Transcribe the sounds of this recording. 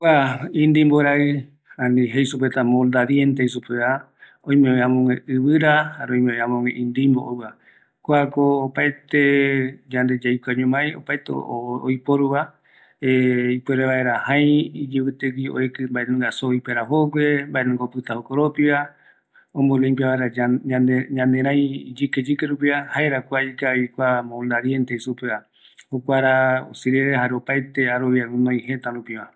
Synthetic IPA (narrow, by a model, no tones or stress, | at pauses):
kʷaĩnd̪imboɾaɨ | ãnĩɦejsupet̪amõld̪aɾient̪ejsupea | õj̃mẽẽãmõŋʷẽɨβɨɾahaɾeõj̃mẽeãmõŋʷḛ̃ʔĩnd̪imbo̰ʔowa | kʷakoːpaet̪ed͡ʒand̪e̞d͡ʒajkʷaɲõmãj̃o̰paet̪ḛo̰jpoɾuβa | eipweɾeβaeɾahãj̃id͡ʒiβɨt̪ekio̰ekɨmbaenũŋɡasoipeɾaɦoɡʷembaenũŋɡaopɨt̪ahokoɾopiβa | õmboɾuempiaβaeɾa | ɲãnd̪ẽɾãj̃d͡ʒiked͡ʒikeɾup̬iahaeɾakʷaikaikʷamõnd̪aɾient̪eisupea | hokʷaɾao̰sɨɾeɾeɦaɾeopajt̪eaɾoβjaũnõĩhet̪aɾũpiβa